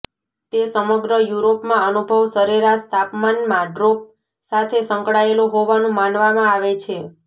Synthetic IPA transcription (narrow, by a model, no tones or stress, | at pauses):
t̪esəməɡɾəjuɾopmãənubʱəʋsəɾiɾast̪apmanmãɖɾop̚ | sat̪ʰesə̃ŋkɽaeloɦoʋanũmanʋamãaʋet͡ʃʰe